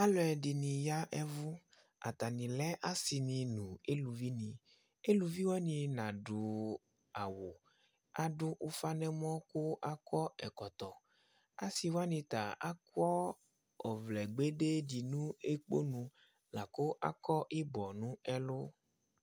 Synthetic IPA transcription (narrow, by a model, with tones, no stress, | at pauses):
a˦lɔ˨ɛ˨di˨nĩ˨ja˦ʔɛ˦vʊ˦ | a̰˨t̪a˨nĩ˨lɛ˦ʔa˦si˨nĩ˨nũ˨e˦lu˨vi˦nĩ˨ | e˦lu˨vi˦wɔ˦nĩ˨nã˨ɖʊ˨ | a˨wo˨ | a̰˨ɖʊ˦ʔu˦fa˦nɛ˦m˦ɔ̃˦kʊ˦ʔa˦kɔ˦ɛ˨kɔ˨t̪ɔ˨ | a̰˦si˨wa˦nĩ˨t̪a˨a˦kwɔ˦ | ɔ˨vlɛ˨ɡ͡be˦ɖe˦di˨nũ˦e˦k͡po̰˦nũ˨ | la˨ko˦ʔa̰˦kɔ˦ʔi˦bɔ˨nũ˦ɛ˦lʊ˦